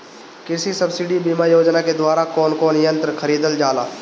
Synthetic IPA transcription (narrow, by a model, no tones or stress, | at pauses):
kɪsisɐbsɪɖibiːmajoːd͡ʒnaked̪waːɾakɔːnkɔːnjə̃nt̪ɾəkʰəɾiːd̪əld͡ʒaːla̰ː